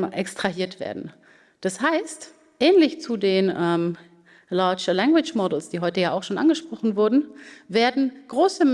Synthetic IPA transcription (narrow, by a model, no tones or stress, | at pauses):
ʔɛkstʁ̥aɦiːɐtv̥ḛːɐdn̩ | d̥ashaɪst | ʔɛːnlɪçt͡sudeːnʔɛːm | laɐt͡ʃəlɛŋɡwɪt͡ʃmɔdl̩sd̥iːɦɔʏtəjaːaʊxʃoːnʔanɡəʃpʁ̥ɔχn̩vʊɐdn̩veːɐdn̩ɡ̥ʁoːsə